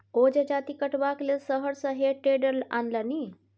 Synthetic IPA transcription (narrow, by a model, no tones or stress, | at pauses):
od͡ʒəd͡ʒat̪ikəʈʋaklesəɦəɾsəɦeʈeɖəɾla̰nləni